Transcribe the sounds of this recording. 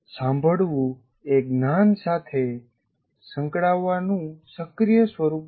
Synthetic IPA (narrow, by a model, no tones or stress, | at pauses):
sãmbʱəɽʋũ | ek̚nansat̪ʰe | sə̃ŋkɽaʋːanũsəkɾijəsʋəɾup